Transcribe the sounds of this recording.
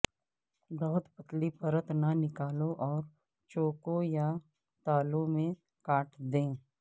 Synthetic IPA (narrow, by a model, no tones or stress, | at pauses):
bɐɦʊt̪pət̪lipəɾət̪nanɪkaːlõʔɔːɾ | t͡ʃoːkoja | t̪aːlõmẽ | kaːʈʰd̪ẽː